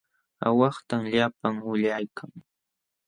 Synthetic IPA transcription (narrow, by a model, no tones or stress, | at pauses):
a̰wɑχt̪amʎapaŋʊʎajkʰaŋ